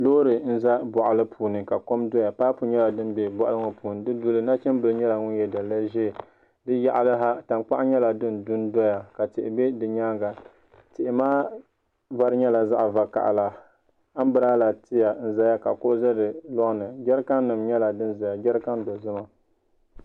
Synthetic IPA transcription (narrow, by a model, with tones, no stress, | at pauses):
loː˦ɾɨ˨n̩˦za˦bɔ˨ʔa˨lɨ˦pʰuː˨nɨ˨ka˨ko˦mdɔ˦ja˨paː˦pu˨ɲɛ˦la˨dɨ˦n˦be˨bɔ˨ʔa̰˦lɨ˦ŋɔ˨pu˨nɨ˨dɨ˦dʊ˦lɨ˦na˦t͡ʃɛ˦mbɨ˨lɲɛ˦la˨ŋʊ˦n˦jɛ˦da˨la˦ʒɛ˦˨ | dɨ˦ja˦ʔlɨ˦ɦa˦ta˨mk͡pa˦ʔɲɛ˦la˨dɨ˦ndʊ˦n˦dɔ˦ja˨ka˨tɪ˨ʔɪ˨be˦dɨ˨ɲaː˦ŋɡa˨ | tɪ˨ʔɪ˨maː˦ | va˦ɾɨ˦ɲɛ˦la˨za˦ʔva˨ka̰˨ʔa̰˨la˨ | a˦m˦bɨ˦ɾaː˦la˨tɪ˦ja˨˦n̩˦za˦ja˦ka˨kʊ˦ʔʊ˦za˦dɨ˨lɔ˦ʔnɨ˨ɡɛ˦ɾka˦nːɨ˨mɲɛ˦la˨dɨ˦nza˨ja˨ɡɛ˦ɾka˦ndɔ˨zɨ˦ma˦